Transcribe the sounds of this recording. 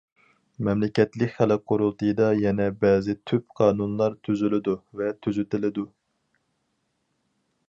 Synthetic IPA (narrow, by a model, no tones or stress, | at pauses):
mɛmlɪkʲɛt̪lɪkʲχælɪqʰːoɾulˠt̪ɨjɨd̪ɑjɛnɛbɛːzɪt̪ʰypqʰɑːnunlˠɑɾt̪ʰyzylɪd̪uvɛt̪ʰyzyt̪ɪlɪd̪u